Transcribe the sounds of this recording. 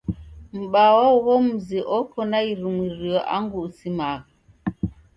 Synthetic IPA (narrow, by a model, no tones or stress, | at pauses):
m̩ɓawɔɣɔm̩ziʔɔkɔnaiɾumwiɾiɔʔa̰ŋɡuːsimaɣa